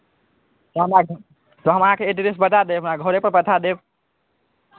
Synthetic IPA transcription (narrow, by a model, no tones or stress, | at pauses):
t̪ɔɦəmɾa | t̪ɔɦəmɦãkeeʈiɾesbət̪ad̪eəpnaɡʱəɾepəɾpət̪ʰad̪ekʰ